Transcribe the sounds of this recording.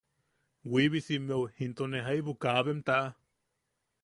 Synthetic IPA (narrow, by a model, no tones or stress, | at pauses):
wiβisimewhint̪oneɦaiβukaβemt̪aʔa